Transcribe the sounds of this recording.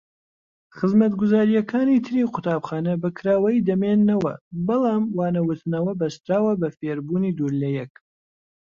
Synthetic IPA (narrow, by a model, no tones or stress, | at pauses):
χɨzmɐt̪ɡʊzaːɾijɛkʰaːnit̪ʰɨɾiːqʰʊt̪ʰaːbxaːnɐbɨkʰɾaːwɐjid̪ɐmeːnːɐwɐ̰bɑlˠɑːmwaːnɐwʊt̪nɐwɐbɐst̪ɾaːwɐbɐfeːɾbuːnid̪uːɾlɐjɛk